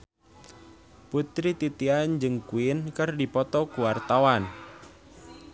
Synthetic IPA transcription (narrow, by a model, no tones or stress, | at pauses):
put̪ɾit̪it̪iand͡ʒɨŋkuɪnkɨrdipɔt̪ɔkuwart̪awan